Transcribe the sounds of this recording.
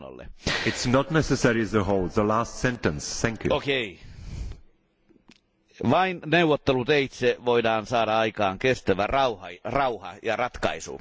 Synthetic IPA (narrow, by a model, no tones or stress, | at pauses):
o̰lːḛɪtsnətⁿnɛsəsɛɹiəzəɦoʊlˠd̪̚ðəlaˑstsɛ̃ntə̃nsθæ̃ŋkʰjṵokei | ʋɑinneuwˑot̪ːelut̪eit̪seʋoidɑːnsɑːɾɑɑikɑːŋkest̪æʋærɑuhɑ̰rɑuhɑ̰jɑrɑt̪kɑ̰isṵ